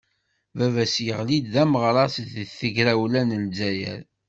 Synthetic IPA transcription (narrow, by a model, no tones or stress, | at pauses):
vævæsjəʁlid̪ðæməʁɾˤɑsəθəʝɾæwlænəlzæjə̰ɾ